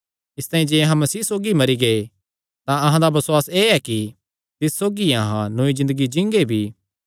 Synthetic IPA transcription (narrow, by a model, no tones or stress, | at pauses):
ɪst̪aːĩd͡ʒeːɐɦãmɐsiːsoːɡimɐɾiɡɐe | t̪ãɐɦãd̪abɐsʊaːseːɛki | t̪ɪsːoːɡiɐɦã̰noːizɪ̃nd̪əɡid͡ʒɪ̃ŋɡebʱiː